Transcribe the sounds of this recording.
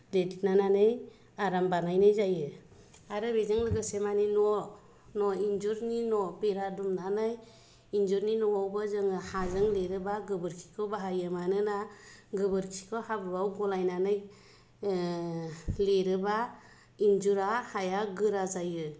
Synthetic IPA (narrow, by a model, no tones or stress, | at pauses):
ledit̚nananɯj | aɾambanajnɯjzajɯ | aɾɯbezɯŋlɯɡɯsemaninɔ | nɔind͡ʒuɾninɔbeɾadumnanaj | ind͡ʒuɾninɔwawbɯzɯŋɯhazɯŋleɾɯbaɡɯbɯɾkʰi̥kʰɯbaɦajɯmanɯnaɡɯbɯɾkʰi̥kʰɯhabɯbawɡɔlajnanɯj | leɾɯba | ind͡ʒuɾahajaɡɯɾazajɯ